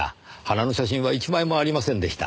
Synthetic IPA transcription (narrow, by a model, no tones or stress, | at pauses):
a̰hanano̞ɕaɕ̬ĩɰ̃βait͡ɕimaimo̞aɾʲimasẽ̞nd̪e̞ɕi̥t̪a̰